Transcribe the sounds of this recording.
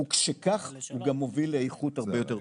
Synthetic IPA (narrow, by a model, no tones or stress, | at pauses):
ukʃekaχhuɡamovilejχutaʁbejot̪e